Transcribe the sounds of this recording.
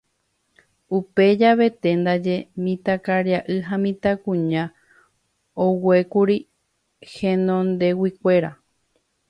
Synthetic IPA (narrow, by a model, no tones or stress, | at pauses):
upe̞d͡ʒaβe̞t̪e̞nd̪ad͡ʒemĩt̪akaɾjaʔɨɦãmĩt̪akũɲã | owe̞kuɾi | hẽnõnd̪e̞wikʷe̞ɾa